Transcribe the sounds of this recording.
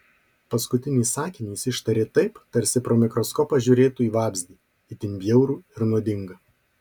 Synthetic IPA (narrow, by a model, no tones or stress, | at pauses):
pɐskʊt̪ʲɪnʲɪːsɑːkʲɪnʲiɪsɪʃt̪ɐɾʲeːt̪ɐɪpt̪ɐɾʲsʲɪpɾoːmʲɪkɾɔskɔːpɐʒʲʊɾʲeːt̪uːiːʋɑːbʲzʲd̪ʲiː | ɪt̪ʲɪnʲbʲjɛʊɾuːɪɾnoɔd̪ʲɪŋɡɐ